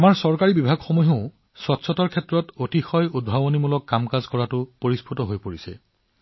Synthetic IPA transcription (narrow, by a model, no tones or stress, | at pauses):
amaɹsɔɹkaɹibibʱaɡxɔmɔɦõʊ̃ | sɔtsʰɔtɔɹkʰɛtɹɔtotixɔjud̚bʱabonimulɔkːamkazkɔɹatʊpoɹispʰutɔɦojpoɹisɛ̰